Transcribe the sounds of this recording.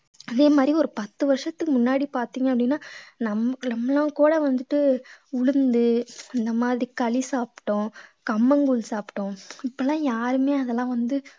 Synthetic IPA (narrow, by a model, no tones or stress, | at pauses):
ɐðeːmaːd̪ɾiɔɾɯpɐt̪ːɯʋɐɾʂɐt̪ːɯkːɯmʊnːaːɽipaːɾt̪iːŋɡɐpːɐɽɪnːaːnɐmːɐnɐmːɐlːãːkuːɽɐʋɐnd̪ɯʈːɯʊɻɯnd̪ɯɪnd̪ɐmaːðɾikɐɭɪsaːpʈːʊ̃kɐmːɐŋɡʊɭsaːpʈːʊ̃ɪpːɐlːãːjaːɾɯmeːɐðɐlːãːʋɐnd̪ɯ